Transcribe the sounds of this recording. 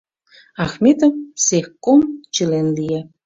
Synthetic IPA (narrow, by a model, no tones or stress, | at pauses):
ɑxmʲet̪ə̆msexkomt͡ɕəlenlije